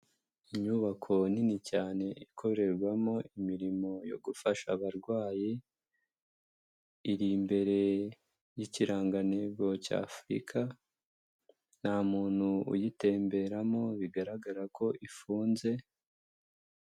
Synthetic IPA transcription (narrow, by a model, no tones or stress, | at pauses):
iɲuβakʰo̞ninicaːne̞ikʰo̞ɾe̞ɾɡwamo̞ʔimiɾimo̞jo̞̰ɡufaʃaβaɾɡwaːji | iɾimbe̞ɾe̞ | jiciɾaːŋɡane̞ɡo̞ca̰ːfuɾḭkʰa | n̥haːmuːn̥huṵjite̞ːmbe̞ɾamo̞βiɡaɾaɡaɾakʰo̞ʔifuːnze̞